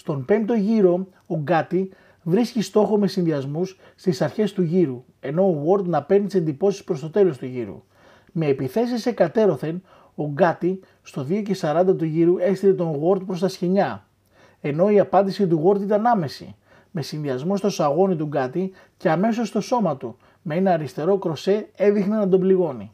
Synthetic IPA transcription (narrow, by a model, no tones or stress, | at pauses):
st̪o̞mpe̞nt̪o̞ʝiɾo̞ | oɡɐt̪i | vɾiscist̪o̞xo̞me̞sinðiɐzmus | st̪isɐɾçe̞st̪uʝiɾu | e̞no̞ːɣo̞ɾd̪nɐpenit̪ise̞nd̪ipo̞si̥spɾo̞st̪o̞t̪e̞lo̞st̪uʝḭɾṵ | me̞ːpiθe̞sise̞kɐt̪e̞ɾo̞θe̞n | o̞ɡɐt̪i | st̪o̞ðio̞ce̞sɐɾɐnd̪ɐt̪uʝiɾue̞st̪ile̞t̪o̞nɣo̞ɾt̪̚pɾo̞st̪ɐsçeɲɐ | e̞no̞iɐpɐnd̪isit̪̬uɣo̞ɾt̪it̪ɐnɐme̞sḭ | me̞sinðiɐzmost̪o̞sɐɣo̞nit̪uɡɐt̪i | ce̞ɐme̞so̞st̪o̞so̞mɐt̪u | mee̞nɐːɾist̪e̞ɾo̞kɾo̞se̞e̞ðixnenɐd̪o̞bliɣo̞nḭ